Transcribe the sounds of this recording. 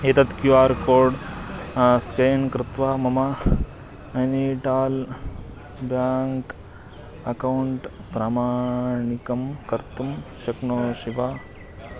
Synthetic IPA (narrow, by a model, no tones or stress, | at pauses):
eːt̪ɐt̪kjuaːɾkoːɾɖ | skɐjnkɾɪt̪ʋaːmɐma | ɐniʈaːl | bjaːŋk | ɐkɐwɳʈpɾaːmaːɳikɐmkɐɾt̪umʃɐknoːʃiʋaː